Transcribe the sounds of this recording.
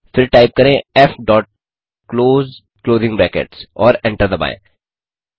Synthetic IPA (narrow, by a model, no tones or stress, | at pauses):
fɪɾʈaːɪp̚kɐɾẽɛfɖɔːʈ̚ | kloːz | kloːzɪ̃ŋɡbɾɛːkḛʈsɔːɾɛ̃ɳʈəɾd̪ɐba̰ːjḛ̃